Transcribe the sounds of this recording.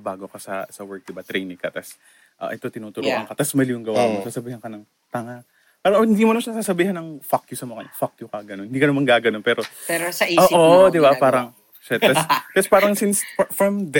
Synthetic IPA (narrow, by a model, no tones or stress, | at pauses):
baːɡokɐsɐ̰sɐwɛɹk̚d̪ɪbat̪ɾɛjnɪŋkɐt̪ɐs | ʔɐ̰ʔɛt̪o̞t̪ɪnuːt̪ʊɾṵʔɐŋkɐt̪ɐsmɐlijʊŋɡɐwa̰mosaːsɐbiːhɐnkɐnɐŋ | t̪ɐŋa | paːɾɐhɪnd̪imoɐnɐʃɐnsaːsɐbiːhɐnɐŋfakjʊsɐmokɐ̰nɐfak̚jʊkɐɡɐnonhɪnd̪ikɐnɐmanɡaːɡɐnonpɛːɾo̞pɛɾosɐʔioːʔod̪ɪbapaːɾɐŋ | ʃɐt̪ɐst̪ɐspaːɾɐŋsɪnsfɹɐmd̪